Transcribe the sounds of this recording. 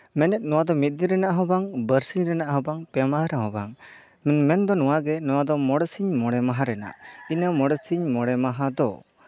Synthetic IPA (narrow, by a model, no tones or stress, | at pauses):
mɛnɛt̪̚nɔwad̪ɔmit̪̚ˀniɾɛnaʔɦɔbaŋbəɾsiɲɾɛnaʔɦɔbaŋpɛmaɦɾaɦɔbaŋ | mɛnmɛnd̪ɔnɔwaɡɛnɔwad̪ɔmɔɽɛsiɲmɔɽɛmaɦaɾɛna̰ʔinəmɔɽɛsiɲmɔɽɛmaɦad̪ɔ̰